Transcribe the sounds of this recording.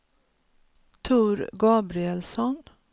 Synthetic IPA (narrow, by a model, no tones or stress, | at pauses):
t̪ʰuːɾɡɑːbɾɪɛlsɔn